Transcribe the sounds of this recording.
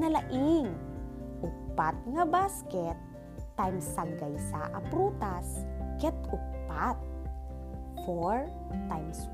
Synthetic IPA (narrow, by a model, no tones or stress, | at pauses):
nɐlɐʔɪŋʔʊk̚pat̪̚ŋɐbaːskɛt̪ː | ajmsaɡɐjsa̰ʔɐpɾut̪askɛt̪ʊk̚pat̪̚ | foɹ | t̪ajms